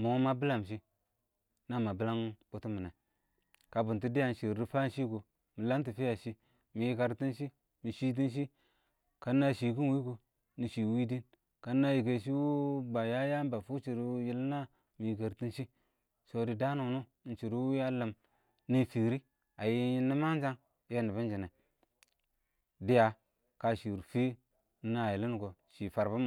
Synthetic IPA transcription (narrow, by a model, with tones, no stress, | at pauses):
mu˨˦ma˦bi˦la˨m˨ʃ̬i˦ | na˦˨ma˨bi˦la˦ŋko˨ti˦mi˨na˨ | ka˨bu˨nti˦di˦ja˨n˨ʃi˨ɾɾi˦fa˦n˦ʃi˦ko˨ | mi˨la˦nt̬i˨fi˦ja˨ʃi˦ | mi˨ji˦ka˨ɾti˦nʃi˦ | mi˨ʃi˦t̬i˦nʃ̬i˦ | ka˨˦nːa˦˨ʃi˨ki˦nwi˦ko˨ | ni˨ʃi˨wi˦di˦n | ka˨nːa˦ji˨ɡe˨ʃ̬i˦wu˦ba˨ja˦ja˦m˦ba˨fu˦t͡ʃi˨ɾji˦lna˦ | mi˨jke˨ɾti˦nʃi˦ | so˨di˨da˦nu˨nu˦n˨t͡ʃi˨ɾi˦wu˦ja˦lə˨m | ni˦fi˨ɾi˦ | a˨ji˦ji˦ni˦ma˦n˦d͡ʒa˦ŋ | je˦ni˨ba˦nd͡ʒi˨ne˨ | di˦ja˨ | ka˨ʃi˨ɾfi˦ | na˨ji˨li˦n˦ko˨ʃi˨fa˨ɾba˦m˨